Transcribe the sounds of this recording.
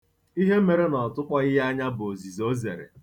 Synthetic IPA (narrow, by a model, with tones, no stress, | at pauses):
i˦ɦe˦me˨ɾe˦nɔ˨tʊ˦kʷa˦ɪ˦ɦa˦ɲa˦bo˨zi˨zo˦ze˨ɾḛ˨